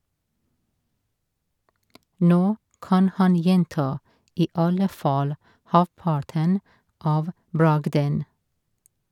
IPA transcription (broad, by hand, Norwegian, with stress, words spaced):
ˈnoː ˈkɑn ˈhɑn ˈjɛntɑ ˈiː ˈɑlə ˈfɑːl ˈhɑpɑʈən ˈɑːʋ ˈbɹɑɡdən